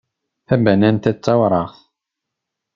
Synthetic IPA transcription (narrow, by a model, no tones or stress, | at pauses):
θæbænænt̪æt͡sːɑwɾˤɑʁθ